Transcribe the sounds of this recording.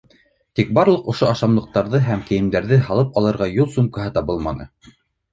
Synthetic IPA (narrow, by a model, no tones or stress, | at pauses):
t̪ik̚bɑɾlˠɤqŏʃoɑʃɑmlˠɤ̆q̚t̪ɑɾðɤɦæmkɘ̆jɘ̆md̪æɾðɘɦɑlˠɤpɑlˠɤ̆ɾʁɑjulˠsumkɑɦɤt̪ɑβɤlˠmɑ̰nɤ̰